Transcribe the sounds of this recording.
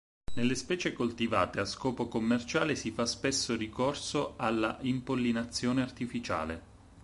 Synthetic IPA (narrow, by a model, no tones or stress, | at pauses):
nelːespɛːt͡ʃekolt̪ivaːt̪easkɔːpokomːert͡ʃaːlesifaspesːorikorsoalːaʔimpolːinat̪sːjoːneart̪ifit͡ʃa̰ːle